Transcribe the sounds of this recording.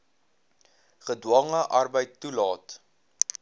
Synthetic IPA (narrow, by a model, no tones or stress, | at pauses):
χədwɐŋəʔɐrbəjtːulɑːt